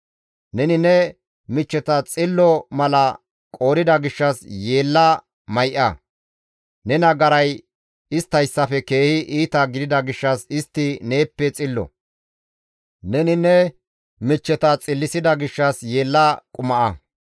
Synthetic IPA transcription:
nɛnɪnɛ | mɪt͡ʃːɛt̪ɐt͡sʼɪlːɔmɐlɐ | kʼo̞ːɾɪd̪ɐɡɪʃːɐsje̞ːlːɐ | mɐjʔɐ | nɛnɐɡɐɾɐj | ɪst̪ːɐjsːɐfɛke̞ːhɪʔiːt̪ɐɡɪd̪ɪd̪ɐɡɪʃːɐsɪst̪ːɪne̞ːpːɛt͡sʼɪlːɔ̰ | nɛnɪnːɛ | mɪt͡ʃːɛt̪ɐt͡sʼɪlːɪsɪd̪ɐɡɪʃːɐsje̞ːlːɐkʼʊmɐʔɐ

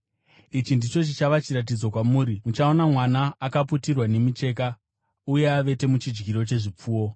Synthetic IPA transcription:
it͡ʃindit͡ʃot͡ʃit͡ʃaʋat͡ʃiɾat̬id͡zo̞kwamuːɾimut͡ʃao̞namwanaːkaputirwane̞mit͡ʃe̞ːka | uje̞aʋe̞te̞mut͡ʃid͡ʒɡiɾo̞t͡ʃe̞ʐip͡fuːwo̞

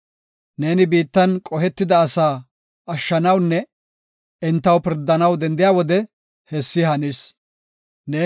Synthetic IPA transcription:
ne̞ːnɪbiːt̪ːɐnkʼɔɦɛt̪ːɪd̪ɐːsaː | ɐʃːɐnɐwnːɛ | ɪnt̪ːɐwpɪɾd̪ːɐnɐwd̪ɛnd̪ɪjaːwɔd̪ɛ | hɛsːɪɦɐnis | ne̞ː

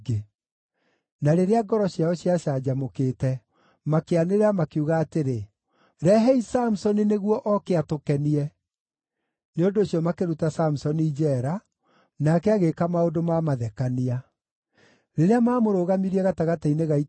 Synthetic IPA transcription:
ɡe | naɾeɾeaɡɔɾɔɕjaɔɕiaʃad͡ʑamokeːtɛ | makeaneɾeamakeuɣaːteɾe | ɾɛɦɛisamusɔnineɣwɔʔɔkeatokɛniɛ | neondoːɕjɔmakeɾutasamusɔniːd͡ʒɛɾa | nakɛaɣekamaodomamaðɛkania | ɾeɾeamaːmoɾoɣamiɾiɛɣataɣataineɣai

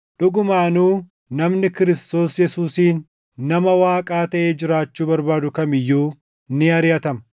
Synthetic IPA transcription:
ᶑʊɡʊmaːnuː | nɐmnɪkɪɾɪst̪o̞ːsjɛsuːsiːnː | ɐmɐwaːkʼaːt̪ɐʔe̞ːd͡ʒɪɾaːt͡ʃːuːbɐɾbaːd̪ʊkɐmɪjːuː | nɪɐɾɪjɐt̪ɐmɐ

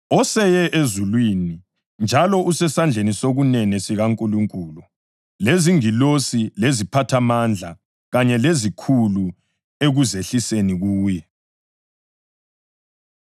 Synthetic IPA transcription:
ɔsɛjɛʔezulwiːni | nd͡ʒʱalɔʔusɛsand͡ɮʱenisoɣunɛnɛsiɣaŋkʼuluŋkʼuːlu | leziŋilosilezipʰatʰamand͡ɮʱa | ɣaɲɛlezikʰulu | eɣuzeɬiseniɣuːjɛ

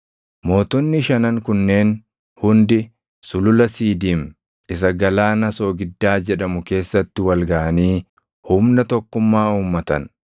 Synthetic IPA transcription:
mo̞ːt̪ʊnːɪʃɐnɐŋkʊnːe̞ːn | hʊnd̪ɪ | sʊlʊlɐsiːd̪iːm | ɪs̬ɐɡɐlaːnɐso̞ːɡɪd̪ːaːd͡ʒɛᶑɐmʊke̞ːsːɐt̪ːɪwɐlɡɐʔɐniː | hʊmnɐt̪ɔkːʊmːaːuːmːɐt̪ɐ̰n

